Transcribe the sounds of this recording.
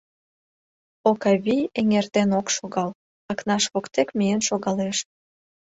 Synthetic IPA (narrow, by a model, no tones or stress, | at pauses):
okɑβʲijeŋert̪enokʃoɣɑl | ɑknɑʃβokt̪ekmijenʃoɣɑleʃ